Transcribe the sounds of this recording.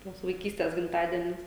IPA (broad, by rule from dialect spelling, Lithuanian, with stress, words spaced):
ˈtuɔs ʋɐɪˈkʲiːsʲtʲeːs ɡʲɪmˈtɑːdʲiɛnʲʊs